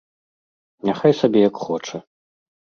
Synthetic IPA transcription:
nʲaxajsabʲɛjɐkxɔt͡ʂɐ

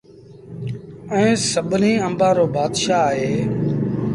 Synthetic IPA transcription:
ɛ̃ːsəɓniːə̃mbãːɾoːbaːd̪ʃaːɦeː

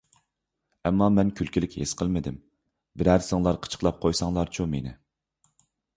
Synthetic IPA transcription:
ɛmːɑmɛnkʲʰylkʲʰilɪkʲhesqʰəlˠmɪd̪ɪm | bɪɾæɾsɪŋlˠɑɾqʰə̥t͡ʃʰə̥qlˠɑp̚qʰojsɑŋlˠɑɾt͡ʃʰumenɪ̰

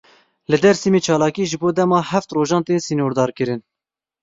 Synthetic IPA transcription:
lɨd̪ɛɾsiːmeːt͡ʃʰɑːlɑːkiːʒɨboːd̪ɛmɑːhæft̪roːʒɑːnt̪eːnsiːnoːɾd̪ɑːɾkɨɾɨn

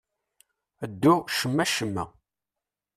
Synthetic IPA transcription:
əd̪ːuʃəmːæʃəmːæ̰

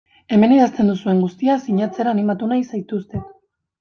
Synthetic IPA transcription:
e̞me̞neɾast̪e̞nd̪usue̞ŋɡust̪iasiɲat͡se̞ɾaːnimat̪unajsajt̪ust̪e̞

